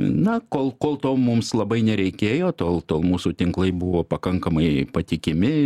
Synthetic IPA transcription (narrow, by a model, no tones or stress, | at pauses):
nɐkoːlˠkoːlˠt̪oːmʊmslˠɐbɐɪnʲɛɾʲɛɪkʲeːjoːt̪oːlˠt̪oːlˠmuːsuːt̪ʲɪŋklˠɐɪbuʋoːpɐkɐŋkɐmɐɪpɐt̪ʲɪkʲɪmʲɪ